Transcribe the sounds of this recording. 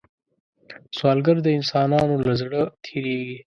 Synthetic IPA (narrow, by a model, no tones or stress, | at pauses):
swɑːlɡəɾd̪əɪnsɑːnɑːnolazɽət̪ʰiːɾeːɡi